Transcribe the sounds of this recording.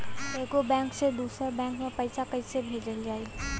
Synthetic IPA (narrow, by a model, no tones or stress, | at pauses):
eːɡobɛ̃ːŋksed̪uːsɾabɛ̃ːŋkmẽpɐɪsakɐɦisebʱeːd͡ʒəld͡ʒaːi